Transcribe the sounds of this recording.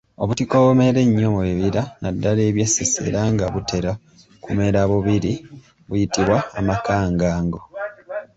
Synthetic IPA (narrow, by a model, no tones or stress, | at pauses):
o̞βutiko̞βumeɾe̞ɲːo̞βweβiɾanadːale̞ːβjesese̞̰ɾaːŋɡaβute̞ɾa | kume̞ɾaβuβiɾi | βujitiβwaːmakaːŋɡaːŋɡo̞